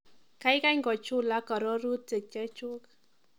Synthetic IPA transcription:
ka˨˦ɪ˦ka˦ŋɡɔ˨t͡ʃʊ˦la˦kɔ˨ɾɔ˦ɾu˦te˨k̚t͡ʃɛ˦t͡ʃʊ˦k

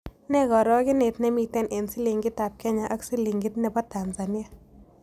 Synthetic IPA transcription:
nɛ˦kɔ˨ɾɔ˦kɪ˦ne˨tnɛ˦mi˨˧tɛ˦nʔe˨nsi˦li˨ŋɡɪ˦ta˨p̚kɛ˦ɲa˨ʔa˦ksi˦li˨ŋɡɪ˦tnɛ˨bɔ˦ta˨nsa˨ni˦ja˦˨

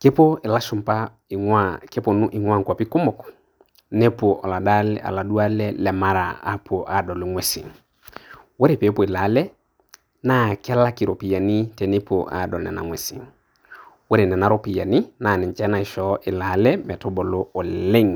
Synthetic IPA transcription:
ke˦po˦ɪ˨la˦ʃʊ˨mpa˦˨ | ake˦po˨nu˦ʔɪ˨ŋwa˦ŋ˨kwa˨pi˦kʊ˦mʊ˨k | nɛ˦po˨ʔɔ˨la˨da˦lɛ̰a̰˨la˨du˦a˦lɛ˦lɛ˨ma˦ɾa̰˨a̰˦pʰo˨ʔa˨dɔ˨lʊ˨ŋwɛ˦sḭ˨ŋ | we˦ɾe˨pe˨˦po˨i˨la˨˦lɛ˦ | na˦kɛ˦la˦kɪ˨ɾo˨pi˨a˨ni˦tɛ˨ne˦po̰˨ʔa̰˦˨dɔ˨lnɛ̰˨na̰˨ŋwɛ˨sḭ˨ŋ | we˦ɾe˨nɛ˨na˨˦ɾo˦pi˨ja˨ni˦na˨nɛ˨nt͡ʃɛ˦na˨ɪ˨ʃɔ˨˦ʔɪ˨la˨˦lɛ˦mɛ˨to˦bɔ˨lo˦ɔ˨lle˦ŋ

